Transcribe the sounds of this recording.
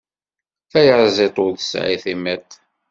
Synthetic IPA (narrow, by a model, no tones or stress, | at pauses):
θæjəɾˤzˤɪt̪ˤoðəsʕḭθimæt̪